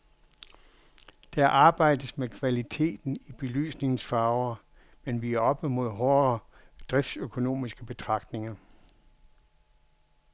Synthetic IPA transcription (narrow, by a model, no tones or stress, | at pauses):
d̥ææɐʔɑ̈ːb̥ɑ̈ɪ̰d̥ð̩ˠmekʰʋælit͡sʰe̝̰ːd̥n̩ib̥e̝ly̰ːsne̝ŋn̩sfɑ̈ːʊɐ | menʋiæɐɒ̽b̥əmo̝ð̞̰ˠɦɒɐ | d̥ʁɛfd̥søkʰo̝no̝̰ːmisɡ̥əb̥e̝t͡sʰʁɑ̈ɡ̥d̥ne̝ŋɐ